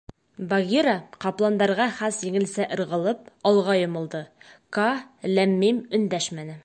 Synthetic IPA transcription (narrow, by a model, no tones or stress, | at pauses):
baɣʲiɾɑqɑplˠɑnd̪ɑɾʁɑχæsjɘ̆ŋɘ̆lsæʔɤ̆ɾʁɤ̆lˠɤp̚ɒlˠʁɑjŏmɤ̆lˠd̪ɤkalæmːimɵ̆nd̪æʃmænɘ